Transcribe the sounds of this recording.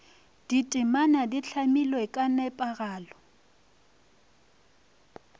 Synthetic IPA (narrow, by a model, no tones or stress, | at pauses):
d̥itʼɪmanadiɬʰamilwɛkʼanɛpʼaɣaːlɔ